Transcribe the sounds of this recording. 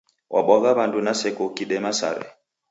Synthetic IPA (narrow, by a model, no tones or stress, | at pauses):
wʔa̰ɓwaɣaβandunasɛkɔkiɗɛmasa̰ɾɛ̰